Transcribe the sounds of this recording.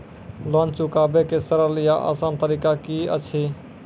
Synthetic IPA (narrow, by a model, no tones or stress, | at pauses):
loːnt͡ʃʊkaːbekesəɾəɾlɪjaʔa̰ːsaːnt̪əɾiːkakiːə̰t͡ʃʰiː